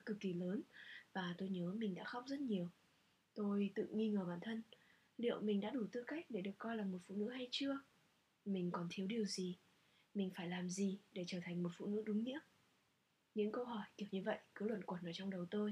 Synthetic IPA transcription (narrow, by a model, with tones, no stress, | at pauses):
kɨ˨˩kːi˨˩ləː˨˦nvaː˨˩t̪o˧jɲəː˨˦mï˨˩ŋ̟ɗa̰ː˧˥xa˦˥wk͡p̚zə˦˥t̚ɲi˨˩əw | t̪o˧jt̪ɨ̰˧˨ŋi˧ŋəː˨˩ɓaː˧˩nt̪ʰə˧n | lḭ˧˨əwmï˨˩ŋ̟ɗa̰ː˧˥ɗu˧˩t̪ɨ̰˧ka˦˥jk̚ɗe˧˩ɗɨ˨˩əkːɔ˧jlaː˨˩mo˨˩t̚fṵ˧˨nɨ̰˧˥ɦa˧jt͡ɕɨ˧ə | mï˨˩ŋ̟kɔ˨˩nt̪ʰi˨˦əwɗi˨˩əwzi˨˩ | mï˨˩ŋ̟faː˧˩jlaː˨˩mzi˨˩ɗe˧˩t͡ɕəː˧˩t̪ʰa˨˩ŋ̟mo˨˩t̚fṵ˧˨nɨ̰˧˥ɗʊ˨˦ŋ͡mɲḭ˧˥əm̚ | ɲɨ̰˧˥ŋkə˧wɦɔ˧˩jti˧˩əwɲɨ˧və̰˧˨jʔkɨ˨˦lwə̰˧˨nkwə˨˩nʔəː˧˩t͡ɕɔ˧wŋ͡mɗə˨˩wt̪o˧j